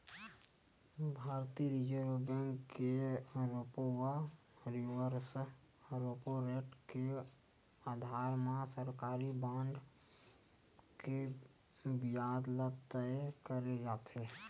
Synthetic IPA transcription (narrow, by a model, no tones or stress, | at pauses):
bʱaːɾt̪iɾid͡ʒəɾobeŋkkeɾopowa | ɾiʋəɾs | ɾopoɾeʈke | ad̪ʱaɾmãsəɾkaːɾibãɳɖ | ke | bijad̪lət̪əkəɾed͡ʒaːt̪e